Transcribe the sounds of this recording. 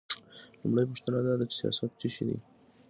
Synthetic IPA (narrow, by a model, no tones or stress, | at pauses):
lʊmɽajpʊʃt̪ənad̪ɑd̪at͡ʃɪ̥sijɑ̰sat̪̚t͡siʃed̪ḭ